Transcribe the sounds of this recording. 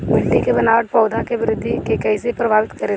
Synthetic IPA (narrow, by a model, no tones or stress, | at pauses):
mɪɽːikebɐnaːʋəʈ̚pɔːd̪ʱakeʋɪɾɪd̪ʱːikekɛɪsepɾɐbʱaːʋɪt̪kɐɾe